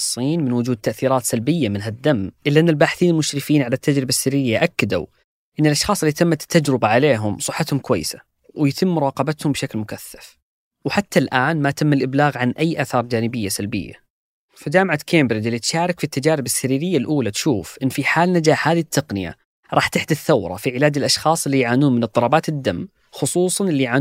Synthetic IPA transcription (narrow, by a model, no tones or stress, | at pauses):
sˤːiːnmɪnwʊd͡ʒuːd̪̚t̪ːaʔθiːɾˤɑːt̪salbɪjːamɪnɦad̪ːamːʔɪlːaʔɪnːɪlbaːħɪθiːnɪlmʊʃɾɪfiːnʕalat̪ːad͡ʒɾɪbasːaɾiːɾɪjːaʔakːad̪a̰ | ʔɪnːɪlʔɑʃxɑːsˤʔɪlːit̪amːat̪ːad͡ʒɾɪbaʕaleːɦʊmsˤɨħːat̪hʊmkʊwajːsa | wjat̪ʰɪmːʊɾˤɑːqɑbat̪hʊmbʃaklmʊkaθːḁf | wħat̪ːalʔaːnmat̪ɪmːalʔɪblaːɣʕanʔajːʔaːθɑːɾˤd͡ʒaːnɪbɪjːasalbɪ̰jːa̰ | fad͡ʒaːmʕakʰeːmbɾɪd͡ʒɪlːit̪ʃaːɾˤɪkfit̪ːad͡ʒaːɾɪbɪsːaɾiːɾɪjːalʔuːlat̪ʃuːfʔɪnːfiħaːlnad͡ʒaːħhaːðit̪ʰːɑqnɪja̰ | ɾˤɑːħt̪ɪħd̪ɪθːawɾˤɑ̰fiʕɪlaːd͡ʒɪlʔɑʃxɑːsˤɪlːijʕaːnuːnmɪnɨt̪ˤːɑɾˤɑːbaːt̪ɪd̪ːam | xʊsˤuːsˤɑnɪlːiʕaː